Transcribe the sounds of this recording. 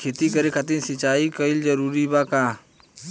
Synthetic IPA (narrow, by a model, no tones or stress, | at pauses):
kʰet̪ikəɾekʰat̪̬ĩnsɪt͡ʃaːikəɪld͡ʒəɾuːɾibaːkaː